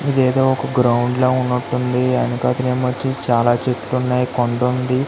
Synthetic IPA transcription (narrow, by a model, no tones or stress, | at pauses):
id̪eːd̪oːɔkɐɡɾɐwuɳɖloːunːuʈːund̪iɐnikaːt̪ineːmɐt͡ʃːit͡ʃaːlaːt͡ʃeʈlunːaːjikoɳɖund̪i